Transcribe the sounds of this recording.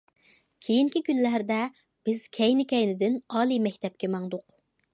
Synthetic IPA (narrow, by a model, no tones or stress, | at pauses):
kʲʰejiŋkʲikʲynlæɾd̪ɛ | b̥ɪz̥kʲʰɛjnɪkʲɛjnɪd̪ɪnɑːlˠimɛkʲt̪ʰɛp̚kʲɛmɑŋd̪ʊq